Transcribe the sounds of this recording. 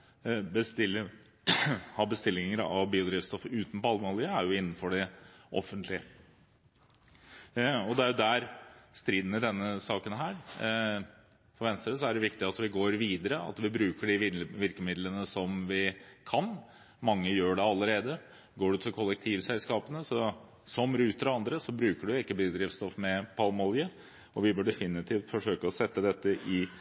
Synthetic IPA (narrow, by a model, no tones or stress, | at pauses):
bəst̪ɪlːə | hɑbəst̪ɪlːɪŋəɾɑ̰ʋbiːʊd̪ɾɪːft̪st̪ɔfəʉːt̪n̩pɔɑlməhɑːlɪːəæɾjʊɪnːn̩fɔɖɪʔɔ̰fːənt̪ʰlɪə | ɔd̪ɛæɾjʊd̪æɾst̪ɾiːd̪nəd̪ɛnːəsɑːkənɦæːɾ | fɔɾʋɛnst̪ɾəs̬ɔæɖɛʋɪkt̪ɪɑt̪ʋɪɡoːɾʋiːd̪əɾəɑ̰t̪ʋɪbɾʉːkəɖɪʋʋɪɾkəmɪd̪lənəsɔmʋɪkʰɑn | mɑŋːəjøːɖɛɑlːəɾeːd̪ə | ɡoːɖʉt̪ʰɪlkʰɔlːɛk̚t̪ʰiːʋsɛlskɑːpənəsɔ | sɔmɾʉːt̪əɾɑnd̪ɾəsɔbɾʉːkəɖʉjʊɪkːəbɪd̪ɾɪfst̪ɔfmɛpʰɑlmɔljə | ɔʋɪbøːɖɛfɪnːɪt̪ʰiːft̪fɔʂøːkəɔsɛt̪ːəd̪ɛt̪ːəʔɪ